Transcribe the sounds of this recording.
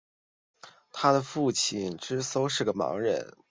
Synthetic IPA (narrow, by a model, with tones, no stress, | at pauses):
t̪ʰa˥d̪ə˨fu˥˩t͡ɕʰi˥˩nʈ͡ʂɻ̩˥so˥ʊʂɻ̩˥˩ɡə˩mɑ̰˧˥ŋɻə̰˧˥n